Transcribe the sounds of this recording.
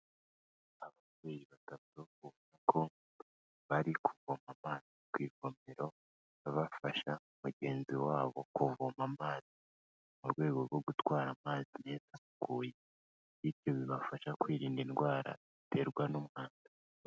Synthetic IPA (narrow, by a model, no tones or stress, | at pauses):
aβa | βeɾiβatatoβunakʰo̞ | βaɾikʰuvomamaːzikwiːɡo̞meɾo̞ | βaβafaʃaumuɟe̞ːnziwaːβo̞kuvomamaːzi | muɾɡwe̞ːɡo̞ɾɡo̞ɡutwaːɾamaːzine̞ːzaβuɡ̥uːje | βiɾjo̞βiβafaʃakwiːɾiːndinɡwaːɾa̰ | ite̞ɾɡwanumŋaːnda